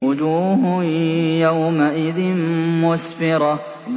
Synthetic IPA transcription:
ʊd͡ʒuːɦ | jawmaʔɪðɪnmʊsfɪɾˤɑ | b

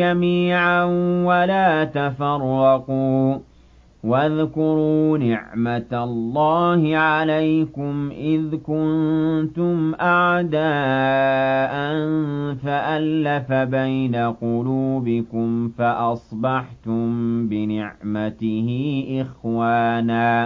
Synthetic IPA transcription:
amiːʕanwalaːt̪afɑrˤːɑquː | waðkʊɾuːnɪʕmat̪alːɑːhɪʕalajkʊmʔɪðkʊnt̪ʊmʔaʕd̪aː | ʔanfaʔalːafabajnaqʊluːbɪkʊmfaʔɑsˤbɑħt̪ʊmbɪnɪʕmat̪ɪhɪʔɪxwaːnaː

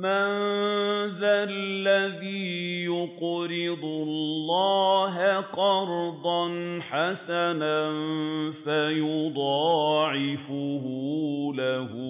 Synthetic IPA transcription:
man | ðalːaðiːjʊqɾɪd̪ˤʊlːɑːɦaqɑɾd̪ˤɑnħasananfajʊd̪ˤɑːʕɪfʊhʊlahʊ

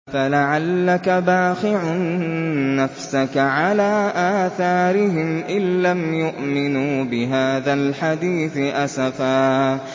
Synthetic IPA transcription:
falaʕalːakabaːxɪʕʊnː | afsakaʕalaːʔaːθaːɾɪɦɪmʔɪlːamjʊʔmɪnuːbɪɦaːðalħad̪iːθɪʔasafaː

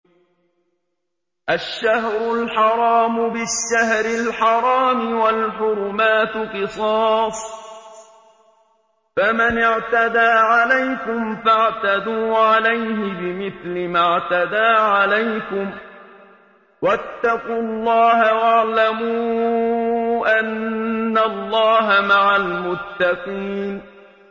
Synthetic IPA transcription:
ʔaʃːahɾʊlħɑɾˤɑːmʊbɪʃːahɾɪlħɑɾˤɑːmɪwalħʊɾʊmaːt̪qɨsˤɑːsˤ | famanɪʕt̪ad̪aːʕalajkʊmfaʕt̪ad̪uːʕalajɦɪbɪmɪθlɪmaʕt̪ad̪aːʕalajkʊm | wat̪ːɑquːlˤːɑːɦawaʕlamuː | ʔanːalˤːɑːɦamaʕalmʊt̪ːɑqiːn

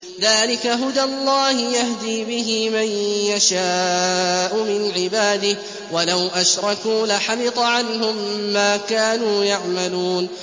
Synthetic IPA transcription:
ðaːlɪkaɦʊd̪alˤːɑːhɪjahd̪iːbɪɦɪmanjaʃaːʔʊmɪnʕɪbaːd̪ɪh | walawʔaʃɾˤɑkuːlaħamɪt̪ˤʕanɦʊmːaːkaːnuːjaʕmaluːn

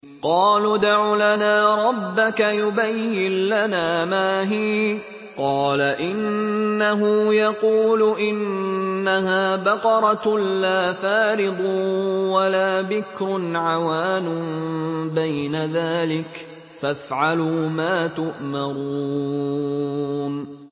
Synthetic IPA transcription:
qɑːluːd̪aʕulanaːɾˤɑbːakajʊbajːɪnlanaːmaːɦiː | qɑːlaʔɪnːaɦʊjɑquːlʊʔɪnːaɦaːbɑqɑɾˤɑlaːfaːɾɪd̪ˤwalaːbɪkɾʊnʕawaːnʊ | bajnaðaːlɪk | fafʕaluːmaːt̪ʊʔmɑɾu | n

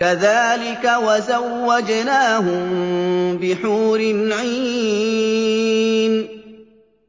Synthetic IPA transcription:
kaðaːlɪkawazawːad͡ʒnaːɦʊmbɪħuːɾɪnʕiː | n

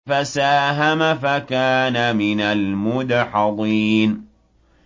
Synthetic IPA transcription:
fasaːɦamafakaːnamɪnalmʊd̪ħɑðˤiːn

